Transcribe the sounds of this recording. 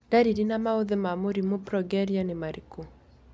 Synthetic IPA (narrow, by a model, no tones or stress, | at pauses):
daɾiɾinamaoðemamuɾimupɾɔɡɛɾianemaɾiku